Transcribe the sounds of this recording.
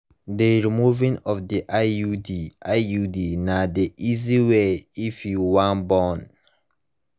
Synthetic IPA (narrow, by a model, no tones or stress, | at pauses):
deɹimuvĩnɔfdiʔaudiʔaudinadiʔiziweifjuwãnbɔn